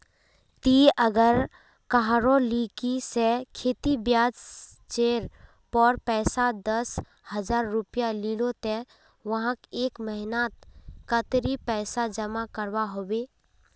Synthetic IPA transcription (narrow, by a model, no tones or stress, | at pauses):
t̪iʔəɡəɾ | kaɦɾõlikisekʰeːt̪ibjaːd͡ʒ | t͡ʃeːɾ | pɔːɾpɛːsad̪əs | həd͡ʒaːɾːʊpijaliːlot̪e | ʋɐɦãkeːkməɦɪnaːt̪kət̪ɾipɛːsad͡ʒəmakəɾwaɦoːbeː